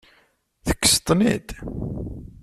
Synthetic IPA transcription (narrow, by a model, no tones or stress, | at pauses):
θə̥kːə̥st̪ˤnḭt̪